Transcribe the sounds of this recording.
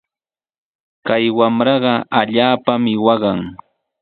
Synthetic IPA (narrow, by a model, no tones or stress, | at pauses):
kajwamɾɑɢɑaʎaːpamɪwɑɢɑŋ